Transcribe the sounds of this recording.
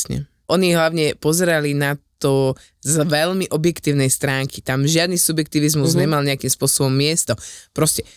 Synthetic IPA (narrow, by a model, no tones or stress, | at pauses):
sɲɛ̰ | ʔɔɲiɦlaʊɲɛpɔzɛɾalinat̪ɔ | zʋɛʎmiʔɔbjɛkt̪iːʊnɛjst̪ɾaːŋkʰi̥t̪amʒɪad̪nisubjɛk̚t̪iːʋizmuzzɲɛmalɲɛakimspʊɔsɔbɔmːɪɛst̪ɔpɾɔscɛ